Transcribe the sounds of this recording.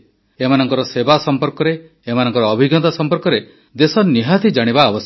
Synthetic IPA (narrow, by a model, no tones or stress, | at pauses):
emanɔŋkɔɾɔsebasɔmpɔɾkɔɾeː | manɔ̃ŋkɔɾɔːbʱiɡɔt̪asɔmpɔɾkɔɾe | d̪esɔniɦat̪id͡ʒaɽ̃ibaːbɔs